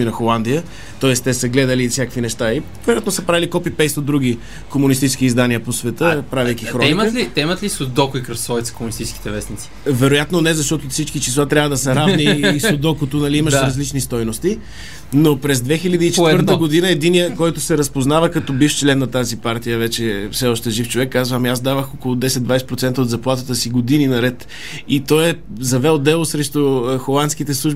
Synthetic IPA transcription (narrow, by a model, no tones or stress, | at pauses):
minɐxolˠand̪ijə | t̪ɔɛst̪ɛsəɡlɛd̪əlifsjakkvinɛʃt̪aivɛɾojat̪nosəpɾavilikɔpipɛjsod̪ɾuɡ̟i | komunist̪it͡ʃɪsk̟iːzd̪aniəposvɛt̪əpɾavijk̟ixɾɔɛimlit̪ɛimət̪lisod̪ɔkʊikɾɐsɔvit̪sə̥komunist̪it͡ʃski̥t̪ɛvɛsnit̪si̥vɛɾojat̪nonɛzɐʃt̪ɔt̪ofsit͡ʃkit͡ʃislˠat̪ɾʲavəd̪ɐsɛɾavniːsod̪ɔkot̪onɐliiməʃɾɾɐzlit͡ʃnist̪ɔjnost̪i | nopɾɛzd̪vɛxilʲəd̪iːt͡ʃɛəɾt̪əɡod̪inəɛd̪inijəkɔjt̪ʊsɛɾɐspoznavəkɐt̪ɔbift͡ʃlɛnːɐt̪azipaɾt̪ijəvɛt͡ʃɛfsɛɔʃt̪ɛʒift͡ʃovɛkːazvəmiazd̪avəxokolˠʊd̪ɛsɛt̪d̪vajsɛ̥pɾot̪sɛnt̪əod̪zɐplˠat̪ət̪əsiɡod̪ininɐɾɛt̪ | it̪ɔjɛ | zɐvɛlˠd̪ɛlˠosɾɛʃt̪oxolˠant̪skit̪ɛslˠuʒbi